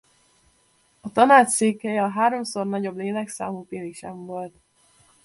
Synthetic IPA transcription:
ɒt̪ɒnaːt͡ʃseːkhɛjɛɒɦaːɾo̞mso̞rnɒɟo̞bleːlɛksa̰ːmuːpeːlikʃɛmvo̞lt̪

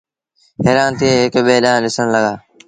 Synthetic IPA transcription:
ɦeːɾaːnt̪ʰieːɦɪkɓeːlãːlɪsəɽ̃ləɡaː

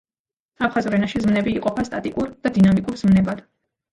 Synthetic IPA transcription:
apʰχazɾɛnaʃizmnɛbiːqʼɔpʰast̪ʼat̪ʼikʼuɾd̪̥ad̪inamikʼuɾz̥mnɛbad̪̥

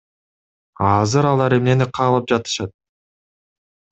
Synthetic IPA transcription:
ɑzɯɾɑlˠɑɾemne̞niqʰɑːlˠɯp̚d͡ʒɑt̪ɯ̥ʃɑt̪̚

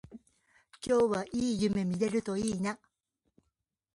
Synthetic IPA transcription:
kʲo̞ːβaʔiːjɯ̟me̞mʲiɾe̞ɾɯ̟t̪o̞iːna

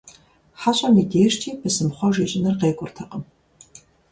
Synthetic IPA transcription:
ħaɕʷʼɐmiːdeːjʂtʰiːbɨsɨmχʷɔʒeːt͡ʃʼɪnɨrqeːkʷʼʊrtʰɐqʼəm

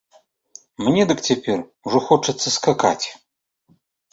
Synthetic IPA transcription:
mnʲɛd̪ɨkt͡sʲapʲɛrwʐɔxɔt͡ʂɐt̪sːɐskaka̰t͡sʲ

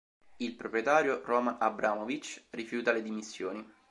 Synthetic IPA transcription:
ilpɾopɾjet̪aːɾjorɔːmanabɾʔaːmovit͡ʃrifjuːt̪aled̪imisːjoːni

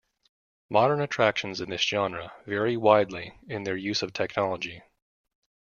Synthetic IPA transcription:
mɑɾə̃˞nɨtʰɹ̥ækʃɨ̃n̩zɨ̃nðɪsd̥ʒ̥ɑ̃nɹɨvɛɹiwaɪdˡliɪ̃nðə˞jʉzʌv̥tʰɛk̚nɑlˠəd͡ʒi

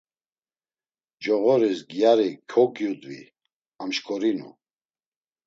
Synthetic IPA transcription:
d͡ʒɔɣɔɾisɡjaɾikʰɔkjud̪vḭ | amʃkʼɔɾinṵ

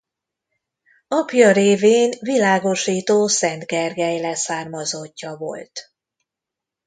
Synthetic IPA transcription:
ɒpjɒɾeːveːnvilaːɡo̞ʃiːt̪oːsɛnd̪ɡɛrɡɛjlɛsaːrmɒzo̞cːɒvo̞̰lt̪

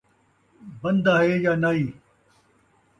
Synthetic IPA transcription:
bɐnd̪aeːjaːnɐiː

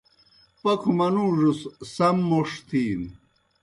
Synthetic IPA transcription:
pɐkʰumɐnuʐussɐmːoʂt̪ʰiːn

